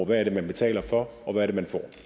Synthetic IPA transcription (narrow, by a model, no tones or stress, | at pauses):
ʋæɐɾe̝mænb̥e̝t͡sʰɛ̰ːlɐfɒ̽ | ɒ̽ʋæɐɾ̥e̝mænfɒ̰ː